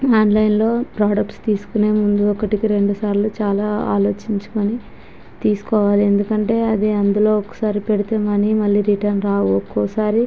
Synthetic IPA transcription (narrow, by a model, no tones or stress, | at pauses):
aːnlɐjnlo̞ːpɾaːɖɐkʈst̪iːsu̥kune̞ːmund̪uɔkːɐʈikiɾe̞ɳɖusaːɾlut͡ʃaːlaːa̰ːlo̞ːt͡ʃiɲt͡ʃu̥koni | t̪iːsu̥kɔːʋaːlie̞nd̪ukɐɳʈe̞ːɐd̪iɐnd̪ulo̞ːɔkːɐ̥saːɾipeɽit̪eːmɐnimɐlːiːɾiʈɐɾnɾaːwuɔkːɔsaːɾi